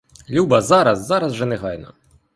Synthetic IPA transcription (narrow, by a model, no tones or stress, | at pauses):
lʲubɐzaɾɐsːaɾɐzʐɛnɛɣajnɐ̰